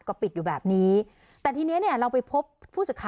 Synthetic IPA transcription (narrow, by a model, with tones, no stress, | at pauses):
kɔː˥˩pi˨t̪̚juː˨˩bɛː˨˩p̚niː˦˥ | t̪ɛː˨˩t̪ʰiː˧n˦˥ni˥˩əɾa˧wpa˧jpʰo˦˥ppʰːuː˥˩sɯ˨˩kʰaː˨